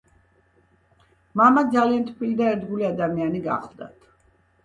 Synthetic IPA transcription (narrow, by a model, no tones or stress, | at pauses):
mamad̪zaliant̪ʰpʰilid̪aɛɾd̪ɡuliad̪amianiɡa̰χlˠd̪a̰t̪ʰ